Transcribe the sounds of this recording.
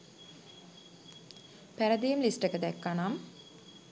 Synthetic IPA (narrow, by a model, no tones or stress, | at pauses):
pæɾəd̪ejmlisʈəkəd̪ɛkːanam